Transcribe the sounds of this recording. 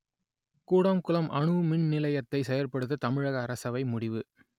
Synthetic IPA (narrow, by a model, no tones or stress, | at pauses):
kuːɽɐmkʊlɐmʔɐɳɯmɪɳnɪlɐjɐt̪ːɐɪsɛjɐɾpɐɽɯt̪ːɯt̪ɐmɪɻɐɣɐːɾɐsɐʋɐɪmʊɽɪʋɯ